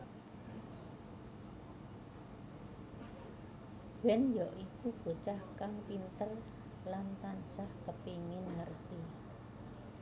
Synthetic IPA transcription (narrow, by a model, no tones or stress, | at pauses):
b̥ɛ̤njɔʔikuɡ̥o̤t͡ʃahkaŋpint̪ər | lant̪ansahkəpiŋɪnŋərt̪i